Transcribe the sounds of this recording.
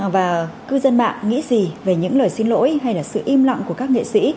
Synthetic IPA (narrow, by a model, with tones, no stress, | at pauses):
vaː˨˩kɨ˧zə˧nma̰ː˧˨ŋːŋḭ˧˥zi˨˩ve˨˩ɲɨ̰˧˥ŋləː˨˩jsi˧nlo̰˧˥jɦa˧jlaː˨˩sɨ̰˧˨ʔi˧mlɔ̰˧˨wŋ͡mku˧˩əkaː˦˥k̚ŋḛ˧˨sḭ˧˥